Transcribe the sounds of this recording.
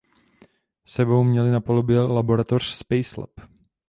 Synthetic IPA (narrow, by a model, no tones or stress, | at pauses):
sɛbo̞wmɲɛlɪnapolobjɛlabo̞ɾat̪or̝̥spɛjslɛ̰p